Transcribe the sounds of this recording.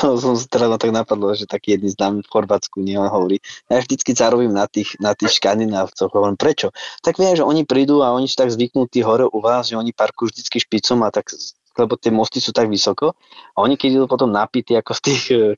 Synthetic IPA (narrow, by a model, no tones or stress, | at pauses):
ɔsɔmsḁt̪ɛɾaznɔt̪aɡnapad̪lɔʒɛt̪akiːjɛd̪niznaːmifxɔɾʋaːt͡skuɲɛlɛnɦɔʋɔɾiːjavʒd̪it͡skizaɾɔbiːmnat̪iːxnat̪iːxʃkand̪inaːft͡sɔɣɦɔʋɔɾimpɾɛt͡ʃɔt̪aɡʋjɛmʒɛɔɲipɾiːd̪uaɔɲisi̥t̪aɡzʋiknut̪iːɦɔɾɛʔuʋaːzʒɛɔɲipaɾkujuːvʒd̪it͡skiʃpit͡sɔmat̪ak | lɛbɔt̪ɪɛmɔst̪isuːt̪aɡʋisɔkɔ | aɔɲikɛd̪id̪upɔt̪ɔmnapit̪iakɔst̪iːx